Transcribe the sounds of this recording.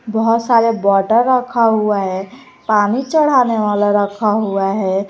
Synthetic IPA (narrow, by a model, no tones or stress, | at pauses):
bəɦʊt̪saːɾebɔʈəɾːəkʰaɦuaɦɛ | paːnit͡ʃəɽ̤aneʋaːlaɾəkʰaɦuaɦɛ